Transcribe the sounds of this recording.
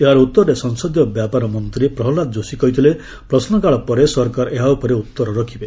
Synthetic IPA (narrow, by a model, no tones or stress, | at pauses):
eɦaɾɔut̪ːɔɾɔɾesɔŋsɔd̪jɔbjapaɾɔmɔnt̪ɾipɾɔɦlat̪̚d͡ʒosikɔɦit̪ʰile | pɾɔsnɔkaɭɔpɔɾesɔɾkaɾɔʔeɦaupɔɾeut̪ːɔɾɔɾɔkʰibe